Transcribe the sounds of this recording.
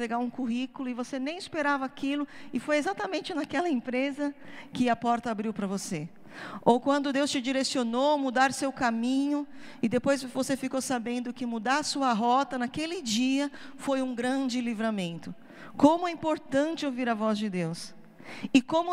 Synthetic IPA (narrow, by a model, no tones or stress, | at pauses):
peɡaũkuɦikulʊɪvosenẽj̃ɪspeɾavɐakilʊɪfojezat̪ɐmẽnt͡ʃɪnakɛlɐẽmpɾezɐkɪɐpɔɾt̪ɐabɾiwpɾɐvose | owkwɐ̃nd̪ʊd̪ewst͡ʃɪd͡ʒiɾesionowmud̪aɾsewkamĩɲʊ | ɪd̪epojzvosefikowsabẽnd̪ʊkɪmud̪aɾɐsuɐɦɔt̪ɐnakelɪd͡ʒiɐfojũɡɾɐ̃d͡ʒɪlivɾamẽnt̪ʊ | kõmʊɛĩmpoɾt̪ɐ̃nt͡ʃɪowviɾɐvɔzd͡ʒɪd̪ews | ɪkõmʊ